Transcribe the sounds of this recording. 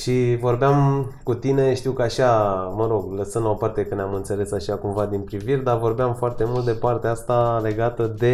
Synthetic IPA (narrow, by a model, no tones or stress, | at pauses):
ʃivo̞rbeamkut̪ine̞ʃt̪iwkəaʃaməɾo̞ɡləsənd̪opart̪e̞kɨneamɨnt̪se̞le̞saʃakumvad̪inpɾiviɾd̪avo̞rbeamfoart̪e̞mult̪d̪e̞part̪eaast̪ale̞ɡat̪əd̪e̞